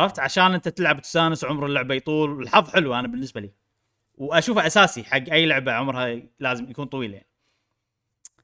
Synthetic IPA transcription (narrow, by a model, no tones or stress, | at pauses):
ɾˤɑft̪ʕaʃaːnʔɪnt̪at̪ɪlʕab̚t̪saːnɪsʕʊmɾɪlːʊʕbajt̪ˤuːlwɪlħɑðˤħɪlwʔanabɪnːɪsbaliː | wʔaʃuːfaʔasaːsiħaɡːʔajːlʊʕbaʕʊmɾhaːðilaːzɪmjakuːnt̪ˤɑwiːlja̰ʕni